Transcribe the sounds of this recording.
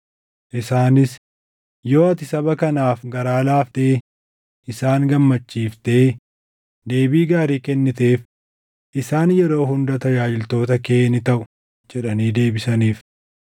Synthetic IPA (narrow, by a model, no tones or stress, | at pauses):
ʔɪsaːnɪs | jo̞ːɐt̪ɪsɐbɐkɐnaːfɡɐɾaːlaːft̪e | ʔɪsaːŋɡɐmːɐt͡ʃːiːft̪e̞ː | d̪e̞ːbiːɡaːɾiːkɛnːɪt̪e̞ːf | ʔɪsaːnjɛɾo̞ːɦʊnd̪ɐt̪ɐjaːd͡ʒɪlt̪o̞ːt̪ɐke̞ːnɪt̪ɐʔʊ | d͡ʒɛᶑɐniːd̪e̞ːbɪsɐniːf